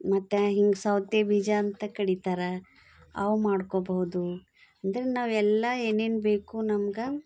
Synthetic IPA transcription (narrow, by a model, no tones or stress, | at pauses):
mɐt̪ːɐɦiŋɡsɐwt̪ebid͡ʒaːnt̪ɐkɐɽit̪aːɾɐ | ɐ̰ʋumaːɖkoːbɐɦud̪u | ɐnd̪ɐɾenaːʋɛlːɐeːne̞ːnbe̞ːkunɐmɡe